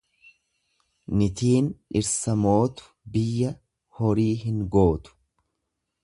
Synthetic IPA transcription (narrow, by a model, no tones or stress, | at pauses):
nɪt̪iːnɪɾsɐmo̞ːt̪ʊ̥bɪjːɐ | hɔɾiːɦɪŋɡo̞ːt̪ʊ̥